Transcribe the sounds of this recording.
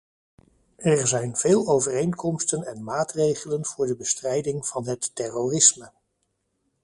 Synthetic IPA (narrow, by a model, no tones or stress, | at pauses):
ɛɹzɛjnveːlˠowvərejnkɔmstənɛnmaːtrejχələnv̥ʊːɹdəbəstrɛjdɪŋv̥ɑnɦətːɛrorɪsmə